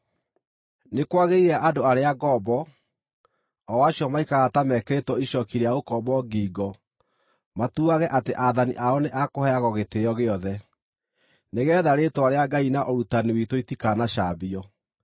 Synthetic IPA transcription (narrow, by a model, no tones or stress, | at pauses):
nekwaɣeiɾaʔadoaɾeaɡɔbɔ | ɔwaɕjɔmaikaɣatamɛkeɾetwɔiʃɔkiɾeaɣokɔbɔɡiːɡɔ | matuaɣɛʔateʔaðanḭʔaɔneʔakohɛaɣɔɣeteɔɣeɔðɛ | neɣɛːðaɾetwaɾeaɡainaʔɔɾutaniwitoitikaːnaʃabiɔ